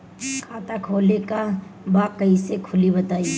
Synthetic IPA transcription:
kʰaːt̪akʰoːlekabaːkəisekʰʊlibɐt̪aːi

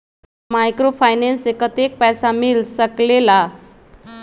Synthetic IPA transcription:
majkɾofʰajnensekːət̪ek̚pɛjsamilsəklela

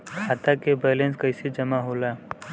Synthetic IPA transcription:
kʰaːt̪akebeːlẽnskɐɪsed͡ʒɐmaɦoːlaː

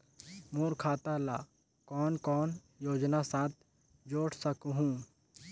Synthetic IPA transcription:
moːɾkʰaːt̪ala̰ː | kɔːnkɔːn | joːd͡ʒnasãːt̪̚ʰ | d͡ʒoːʈsəkɦũː

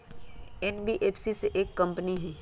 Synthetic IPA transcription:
ɛnbiʔeːpsiseʔeːkːɐ̃mpniɦɛː

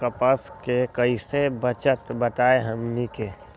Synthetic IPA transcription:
kəpəskekəisebət͡ʃət̪bət̪aːeɦəmnike

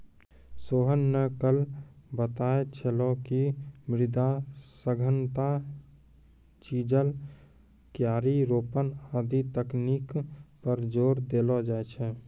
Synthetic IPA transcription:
soːɦənːəkəlbət̪aet͡ʃʰelɔkimɾɪd̪asəɡʱənt̪a | t͡ʃid͡ʒəl | kjaːɾiɾoːpənad̪it̪əknikpəɾd͡ʒoːɾd̪elɔd͡ʒaːet͡ʃʰɛ

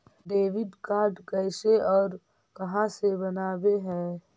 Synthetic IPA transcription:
ɖeːʋɪɖkaːɾɖkɛːɪseɔːɾ | kɐɦãsebɐnaːbeɦɛ̃ː

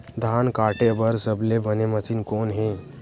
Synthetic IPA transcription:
d̪ʱaːnkaːʈebəɾsəblebənemət͡ʃinkoːnɦẽ

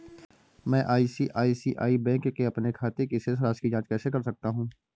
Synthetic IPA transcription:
mɛ̃ːʔaːisiʔaːisiʔaːibɛ̃ːkːeɐpnekʰaːt̪ekises̬ɾaːʃkid͡ʒãːt͡ʃkɛːsek̬ɐɾsɐk̚t̪aɦũː

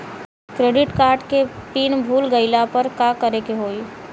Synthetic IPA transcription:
kɾeːɖɪʈkaːɾɖkepiːnbʱuːlɡəɪlapəɾkakəɾekeɦoːi

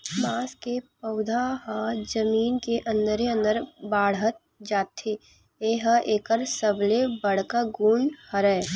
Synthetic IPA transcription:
maːskepəʊd̪ʱaɦãd͡ʒəmiːnkeʔə̃nd̪əɾeə̃nd̪əɾbaːɽɦət̪̚ | d͡ʒaːt̪ʰe | eːɦəʔeːkəɾsəblebəɽ̤kaɡuːɳhəɾɛː

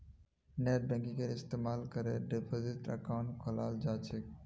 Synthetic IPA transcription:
net̪̚bɛ̃ŋkĩkeɾɪst̪emalkəɾeɖepʰoziʈə̰kaʊ̃ɳʈkʰɔlald͡ʒaːt͡ʃʰe

